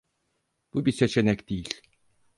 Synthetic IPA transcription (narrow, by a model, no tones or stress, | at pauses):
b̥ubiset͡ʃʰenɛcd̪ejilʲ